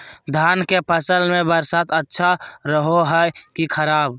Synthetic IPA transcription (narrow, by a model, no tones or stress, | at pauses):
d̪ʱaːnkepʰəsəlmẽbəɾsat̪ətːʃʰaɾəɦoɦəjkikʰəɾaːb